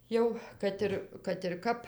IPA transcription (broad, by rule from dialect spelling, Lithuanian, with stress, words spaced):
ˈjɛʊ ˈkɐt ɪr kɐt ɪr ˈkɐp